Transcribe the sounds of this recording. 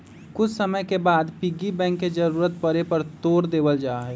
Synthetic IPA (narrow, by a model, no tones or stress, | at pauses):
kʊt͡ʃʰsəməjkebaːd̪piɡibɛ̃ːŋkːed͡ʒəɾuːɾət̪̚pəɾepəɾt̪oːɾd̪eːbəld͡ʒaːɦɛː